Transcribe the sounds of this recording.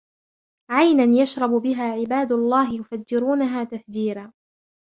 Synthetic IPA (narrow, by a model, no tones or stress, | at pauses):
ʕajnanjaʃɾˤɑbbɪɦaːʕɪbaːd̪ʊlˤːɑːɦɪjʊfad͡ʒːɪɾuːnaɦaːt̪afd͡ʒiːɾaː